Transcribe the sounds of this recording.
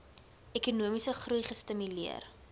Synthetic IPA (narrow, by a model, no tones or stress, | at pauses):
ɛkunuəmisəχrujχəstəmyliə̰r